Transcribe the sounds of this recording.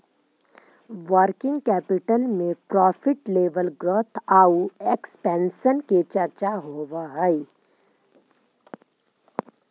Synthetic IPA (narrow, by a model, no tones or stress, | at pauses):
ʋəɾkɪ̃ŋɡ̚kɛːpɪʈəlmẽpɾɔːfʰɪʈleːʋəlɡɾoːt̪ʰaːuekspɛ̃ːnʃənket͡ʃɐɾt͡ʃaɦoːʋaɦəi